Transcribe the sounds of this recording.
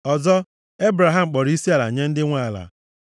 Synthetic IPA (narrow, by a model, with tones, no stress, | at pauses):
ɔ˨zɔ˦ | e˦bɾa˨ɦa˦m̩˨k͡pɔ˨ɾi˦si˦a˦la̰˨ɲe˦n̩˦dɪ˦ŋʷa˦la̰˨